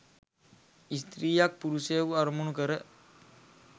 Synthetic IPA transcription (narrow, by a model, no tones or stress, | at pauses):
ist̪ɾiːjak̚puɾuseʋuaɾmunukəɾə